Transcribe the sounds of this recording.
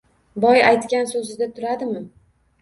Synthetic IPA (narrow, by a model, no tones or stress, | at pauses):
bɒjajt̪kʲansɵzɪd̪at̪ʰʊɾad̪ɪmɪ